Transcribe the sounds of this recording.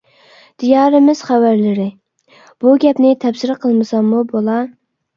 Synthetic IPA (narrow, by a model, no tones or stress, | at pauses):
d̪̥ijɑːɾɪmɪz̥χævæɾlɪɾɪ | b̥uɡʲɛpnɪt̪ʰɛbsɪɾɨqʰəlˠmɨsɑmːubolˠɑ